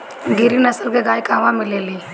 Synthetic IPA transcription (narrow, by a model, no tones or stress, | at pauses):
ɡɪɾinəsəlkeɡaːjkaːʋãmɪleːli